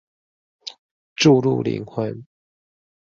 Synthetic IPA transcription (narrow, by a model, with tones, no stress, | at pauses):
ʈ͡ʂu˥˧lṵ˥˨lḭ˨˧˥ŋxwa˧˦n